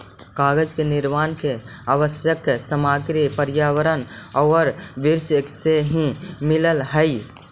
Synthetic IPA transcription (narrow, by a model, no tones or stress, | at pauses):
kaːɡəd͡ʒkenɪɾmaːnke | aʋəsjəksəmaːɡɾipəɾjaːwəɾənɔɾʋiɾsseɦĩmɪləlɦə